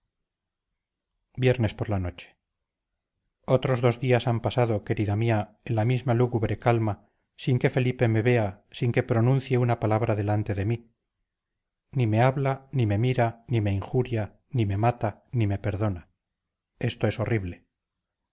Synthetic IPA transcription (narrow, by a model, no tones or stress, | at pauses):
bje̞ɾne̞spo̞ɾlano̞t͡ʃe̥ | o̞t̪ɾo̞zðo̞zðiasampasaðo̞ke̞ɾiðamiaenlamizmaluɣuβɾe̞kalma | siŋke̞fe̞lipe̞me̞βe̞a | siŋke̞pɾo̞nũn̟θjeunapalaβ̞ɾaðe̞lant̪e̞ðe̞mi | nime̞aβlanime̞miɾanime̞iŋxuɾja | nime̞mat̪anime̞pe̞ɾðo̞na | e̞st̪o̞e̞so̞riβle̞